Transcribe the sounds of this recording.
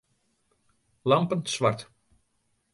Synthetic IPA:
lɑmpənsʋart

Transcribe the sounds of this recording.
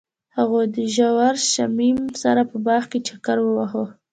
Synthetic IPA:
haɣod̪əʒawaɾʃamimsaɾapəbɑxket͡ʃakaɾwəwaho

